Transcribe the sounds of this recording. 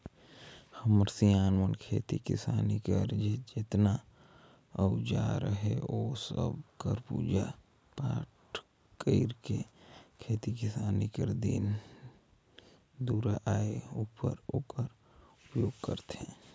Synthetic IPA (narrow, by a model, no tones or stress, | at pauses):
həmɾsiaːnwənkʰeːt̪ikɪsaːnikəɾd͡ʒed͡ʒɪt̪na | əʊd͡ʒaɾəɦḛoːsə̰bkəɾpṵːd͡ʒa | paːʈʰ | kəɪɾkekʰeːt̪ikɪsaːnikəɾd̪ḭːn | d̪uːɾaʔaːeupəɾoːkəɾ | ʊpjoːɡkə̰ɾt̪ɛ̃ː